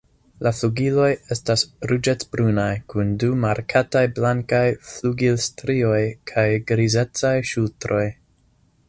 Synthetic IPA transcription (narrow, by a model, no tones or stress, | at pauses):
lafluɡilo̞je̞stasɾud͡ʒetbɾunajkundumaɾkʰatajblaŋkajfluɡilstɾio̞jkʰajɡɾize̞t͡sajʃultɾo̞j